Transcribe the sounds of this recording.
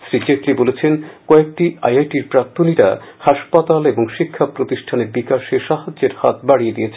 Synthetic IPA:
sɾit͡ɕeʈlibolet͡ɕʰenkɔek̚ʈia̰jajʈiɾpɾak̚t̪ʰoniɾa̰haʃpat̪aleboŋʃikʰːapɾot̪iʃʈʰaneɾbikaʃeʃaɦad͡ʑeɾhat̪̚ʰbaɽijed̪ijet͡ɕʰ

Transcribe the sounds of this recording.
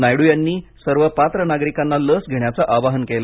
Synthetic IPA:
najɽujanːiːsəɾʋəpat̪ɾənaɡɾikanːaləsɡʱeɳjat͡saʔaʋaɦənkel

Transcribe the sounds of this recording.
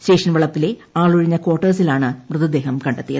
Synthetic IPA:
steːʂɐnʋɐɭɐpːile̞aːɭuɻiɲːɐko̞ːrʈːɐrsilaːɳɨmrɨðɐd̪e̞ːɦɐmkɐɳɖet̪ːijɐ̰ɨ

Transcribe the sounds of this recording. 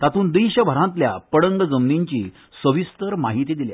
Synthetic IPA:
t̪at̪uːnd̪iɕəbʱəɾãnt̪ljapəɽəŋɡəd͡zəmniɲt͡ɕiː | səʋist̪əɾmaɦit̪iːd̪ilja

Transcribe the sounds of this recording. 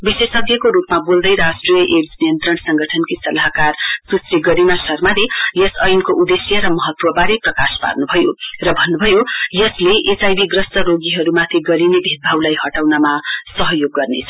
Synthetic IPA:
bisesʌɡjʌkoɾupmabold̪ʌjɾasʈrijʌʔeʈsnijʌnt̪ɾrʌɽ̃sʌŋɡʌʈʰʌnkisʌlaɦkarsusriɡʌɾinasʌrmalejʌsʌjnkoʔud̪esjʌɾʌmʌɦʌt̪wʌbaɾiprʌkaspa̰rnubʱʌjorʌbʱʌnːubʱʌjojʌsleʔesajbiɡrʌstʌɾoɡiɦʌɾumat̪ʰiɡʌɾinebʱit̪̚bʱawlajɦʌʈawnamasʌɦʌjoɡːʌrnet͡sʰʌ

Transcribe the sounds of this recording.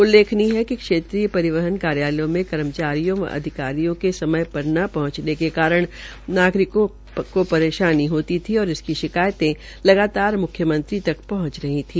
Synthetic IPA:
ʊlːeːkʰniɦɛkikʃeːt̪ɾiːjəpɐɾɪʋəɦənkaːɾjaːljõmẽkɐɾəmt͡ʃaːɾijõʋɐ̰ʔɐ̰d̪ʱɪkaːɾijõkesɐməjpɐɾnapɐɦʊ̃t͡ʃnekekaːɾəɽ̃ | naːɡɾɪkõ | kopɐɾeːʃaːniɦoːt̪it̪ʰiɔːɾɪskiʃɪkaːjt̪ẽ | lɐɡaːt̪aːɾmʊkʰjəmɐ̃nt̪ɾit̪ɐkpɐɦʊ̃t͡ʃɾɐɦit̪ʰiː

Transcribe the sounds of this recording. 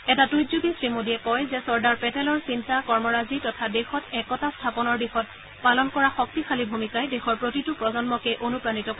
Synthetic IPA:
ɛtatujzuɡisɹimodiɛkɔjzɛsɔɹdaɹpɛtɛlɔɹsintakɔɹmɔɹazitɔtʰadexɔtɛkɔtastʰapɔnɔɹbixɔt̚ | palɔnkɔɹaxɔk̚tixʰalibʱumikajdexɔɹpɹotitʊpɹɔzɔnmɔkɛʔonupɹanitɔk

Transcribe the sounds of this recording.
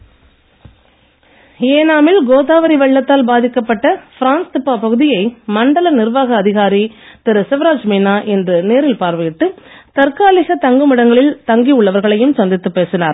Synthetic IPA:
eːnaːmɪlɡoːðaːʋɐɾiʋɛɭːɐt̪ːaːlbaːðɪkːɐpːɐʈːɐfɪɾaːnst̪ɪpːaːpɐɣɯðɪjɐɪmɐɳɖɐlɐnɪɾʋaːɣɐːðɪɣaːɾit̪ɪɾɯsɛʋɾaːd͡ʒmiːnaːʔɛndrɯneːɾɪlpaːɾʋɯjɪʈːɯ | t̪ɐɾkaːlɪsɐt̪ɐŋɡɯmɪɽɐŋɡɐɭɪlt̪ɐŋɡiʊɭːɐʋɐɾɣɐɭɐjɯmsɐnd̪ɪt̪ːɯpːeːsɪnaːɾ

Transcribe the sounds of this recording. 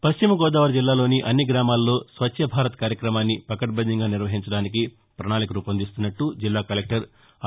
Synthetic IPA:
pɐst͡ʃimɐɡɔːd̪aːʋɐɾd͡ʒilːaːlo̞ːniʔɐnːiɡɾaːmaːllo̞ːsʋɐʃʰɐbʱaːɾɐt̪ɐkaːɾjɐkɾɐmaːnːipɐkɐʈbɐndiŋɡaːniɾʋɐɦiɲt͡ʃɐɽaːniki | pɾɐɳaːlikɐɾuːpɐnd̪ist̪unːɐʈːud͡ʒilːaːkɐlek̚ʈɐɾ

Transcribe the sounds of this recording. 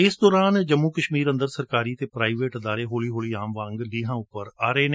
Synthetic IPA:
ɪsd̪ɔːɾaːnd͡ʒəmːuːkəʃmiːɾənd̪əɾsəɾkaːɾiːt̪eːpɾaːiʋeːʈd̪aːɾeːɦoːliːɦoːliːaːmʋãːŋɡliːɦãːʊpːəɾaːɾeːn

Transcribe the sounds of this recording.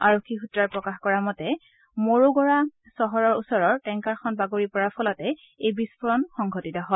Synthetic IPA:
aɹokʰːixutɹaɹpɹɔkaxkɔɹamɔtɛ | moɹoɡɔɹa | sɔɦɔɹɔɹusɔɹɔɹtɛŋkaɹxɔnbaɡoɹipɔɹapʰɔlatɛ | ejbispɔɹɔnxɔŋɡʱɔtitɔɦɔl

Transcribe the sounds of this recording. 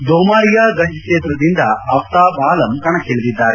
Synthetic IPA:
d̪oːmaːɾijaːɡɐɲɐkeːt̪ɾɐd̪ind̪ɐɐpt̪aːbaːlɐmkɐɳɐkɦeɭd̪id̪ːaːɾe

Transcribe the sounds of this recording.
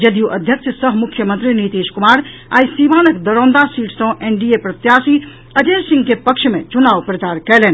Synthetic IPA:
d͡ʒɐd̪juʔɐd̪ʱjəkʃsəɦmʊkʰːjəmə̃nt̪ɾiniːt̪eːʃkʊmaːɾa̰ːisiʋaːnəkd̪ɐɾõːnd̪asiːʈʰsõʔeːnɖiepɾɐt̪jaːsi | ɐd͡ʒeːsɪ̃ŋɡkepɐkʃmḛ̃t͡ʃʊnaːʋpɾɐt͡ʃaːɾkɛleːn

